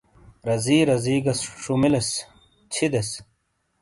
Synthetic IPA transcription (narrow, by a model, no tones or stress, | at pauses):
ɾɐziːɾɐziːɡɐsʂumiles | t͡ɕʰid̪es